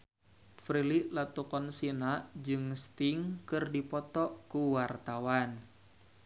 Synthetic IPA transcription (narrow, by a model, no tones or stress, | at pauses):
fɾiliʔlat̪ukɔnsinaʔd͡ʒɨŋst̪iŋkɨrdipɔt̪ɔʔkuwart̪awan